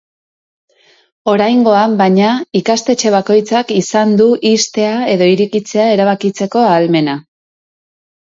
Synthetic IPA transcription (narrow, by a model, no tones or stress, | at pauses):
o̞ɾajŋɡo̞ambaɲaikast̪e̞t͡ʃe̞β̞ako̞jt͡sakisand̪uʔist̪e̞ae̞ðo̞iɾikit͡se̞ae̞ɾaβ̞akit͡se̞ko̞aːlme̞na